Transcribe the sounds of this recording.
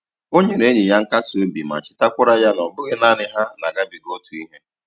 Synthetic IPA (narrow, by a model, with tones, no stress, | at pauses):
o˦ɲe˨ɾe˨˦ɲɪ˨ja˦ŋ̩˦ka˦so˦bi˨ma̰˨t͡ʃɪ˦ta˦kʷʊ˦ɾa˦ja˦nɔ˨bʊ˦ɣɪ˦na˦nɪ˦ɦa˦na˨ɡa˦bi˨ɡo˦tu˨i˦ɦe˦